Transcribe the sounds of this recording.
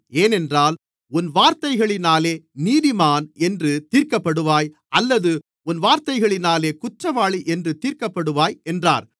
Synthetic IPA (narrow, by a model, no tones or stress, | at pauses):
eːnɛndraːl | ʊnʋaːɾt̪ɐɪɣɐɭɪnaːleːniːðɪmaːnɛndrɯt̪iːɾkɐpːɐɽɯʋaːj | ɐlːɐðɯ | ʊnʋaːɾt̪ɐɪɣɐɭɪnaːleːkʊʈrɐʋaːɭiʔɛndrɯt̪iːɾkɐpːɐɽɯʋaːjɛndra̰ːɾ